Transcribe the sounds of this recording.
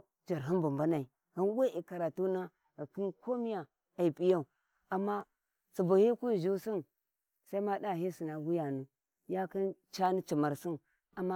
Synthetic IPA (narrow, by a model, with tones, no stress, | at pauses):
d͡ʒa˨ɾɦi˦nbu˨mba˦na˨i˨ | hi˦nwe˦ʔi˨ka˨ɾa˨tu˦na˦˨ | ki˦nko˦mi˦ja˨ | a˨i˨pi˦ja˦u˨ | a˨mːa˦ | t͡si˨bu˨hi˦ku˦˨ʒu˦si˦n | sa˦i˦ma˦da˦˨ɦi˦si˨na˨ɡu˦ja˨nu˨ | ja˦ki˦nt͡ʃa˦ni˦t͡ʃi˨ma˨ɾsi˦n | a˨ma˦